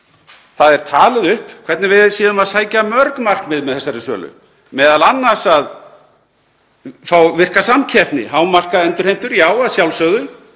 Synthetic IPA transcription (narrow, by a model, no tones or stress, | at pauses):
θaðɛɾ̥t̪ʰaːlɪðʏhpkʰvɛɾt̪nɪvɪðsiːðʏmaðsaːjcamœɾkmar̥kmɪðmɛðθɛsːaɾɪsœ̰ːlʏ̰ | mɛːðalanːasað | fawvɪr̥kasamcʰɛt̪nɪ̰ɦaːwmar̥kaðɛnt̪ʏɾ̥ejm̥t̪ʏɾjaːwaðsjawlsœɣðʏ